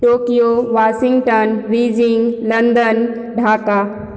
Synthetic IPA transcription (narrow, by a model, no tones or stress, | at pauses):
ʈoːkijoʋaːʃɪ̃ŋɡʈənɾiːd͡ʒɪŋɡlɐnd̪ən | ɖʱaːka